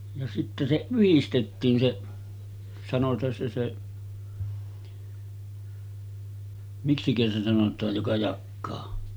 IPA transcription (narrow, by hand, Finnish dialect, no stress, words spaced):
jɑ sitːæ se yhistetːiːn se sɑnotˑɑːn se se miksikæ se sɑnotˑɑːj jokɑ jɑkːɑː